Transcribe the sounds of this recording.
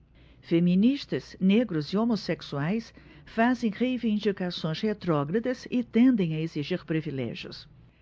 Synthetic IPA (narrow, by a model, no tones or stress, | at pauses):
femĩniʃt̪ɐsneɡɾʊziomoseksuajs | fazẽj̃ʁeivĩnd͡ʒikasõj̃shet̪ɾɔɡɾɐd̪ɐzɪt̪ẽnd̪ẽj̃ɐeziʒiɾpɾivilɛ̰ʒjʊ̰s